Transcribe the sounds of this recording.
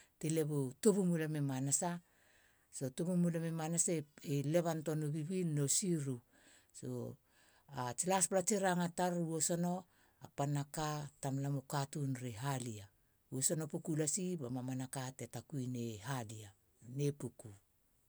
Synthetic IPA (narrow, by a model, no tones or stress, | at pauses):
tele̞βotoβumulamemanasa | so̞toβumulamemanasaeele̞βanto̞noβiβilnosiɾu | so̰ | at͡ʃilasplat͡ʃeɾaŋataɾuoso̞no̞ | apanakatamlamokatunɾeɦalia | uoso̞no̞pukulasibamamanakatetakuineɦalia | nepuku